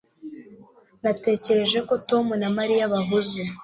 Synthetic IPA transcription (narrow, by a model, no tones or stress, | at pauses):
nate̞ːce̞ɾe̞ʒe̞ko̞to̞munamaɾijaβaɦuze